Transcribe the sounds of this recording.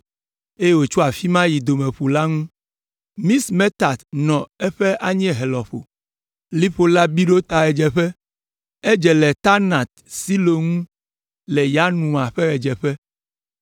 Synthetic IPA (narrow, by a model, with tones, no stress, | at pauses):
e˦e˦wo˨t͡ʃu˦a˨fi˦mã˦ji˨d̪o˨mẽ˨ɸu˨la˦ŋũ˦ | mĩ˦sme˦t̪a˨t̪nɔ̃˨ɛ˦ɸɛ˦ʔa˦ɲɛ̃˦ɦɛ˨lɔ˨ɸo̰˨ | li˦ɸo˨la˦bi˦ɖo˦t̪a˨ɛ˨d͡ʒɛ˨ɸɛ˦ | ɛ˦d͡ʒɛ˨lɛ˨t̪a˦nã˨t̪̚si˦lo˨ŋũ˦ | lɛ˨ja˦nũ˨a˨ɸɛ˦ɣɛ˨d͡ʒɛ˨ɸɛ˦